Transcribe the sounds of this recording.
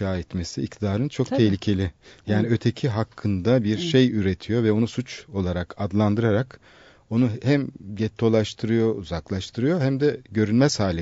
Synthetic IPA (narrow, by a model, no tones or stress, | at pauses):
aːɛt̪mesiːc̚t̪ʰid̪aːɾɯnt͡ʃʰo̞kt̪ʰehlʲicʰe̞lʲɪjaːniø̞t̪ʰe̞cʰiɦakʰːɯnd̪abiɾʃe̞jyɾe̞t̪ʰijo̞vɛo̞nusut͡ʃo̞lˠaɾakʰad̪lˠand̪ɯɾaɾak | o̞nuhæmɟɛt̪ʰːo̞lˠaʃt̪ʰɯɾɯjo̞uzaklˠaʃt̪ʰɯɾɯjo̞ɦæmd̪ɛɟø̞ɾynʲmɛzhaːlʲi